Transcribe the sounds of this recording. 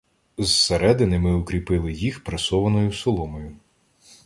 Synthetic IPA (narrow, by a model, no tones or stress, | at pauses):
zseɾɛd̪ɪnɪmɪʊkɾʲipɪlˠɪjixpɾɐsɔʋɐnɔjʊsɔlˠɔmɔjʊ